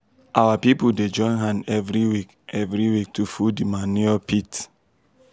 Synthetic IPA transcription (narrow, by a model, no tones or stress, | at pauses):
awapipuded͡ʒɔ̃ɪ̃nɦãndɛvɾiwik | ɛvɾiwik̚tufudimanuɔpʰit